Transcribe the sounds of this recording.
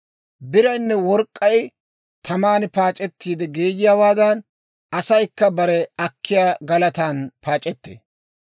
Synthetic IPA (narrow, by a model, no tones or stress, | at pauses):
bɪɾɐjnːɛwɔɾkʼːɐj | t̪ʰɐmaːnɪpaːt͡ʃʼɛt̪ːiːd̪ɛɡeːjɪjaːwaːd̪ɐn | ɐsɐjkːɐbɐɾɛɐkʰːɪjaːɡɐlɐt̪aːnpaːt͡ʃʼɛt̪ːḛː